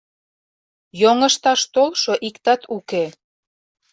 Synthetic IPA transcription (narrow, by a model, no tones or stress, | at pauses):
joŋəʃt̪ɑʃt̪olʃoʔikt̪ɑt̪ʰuke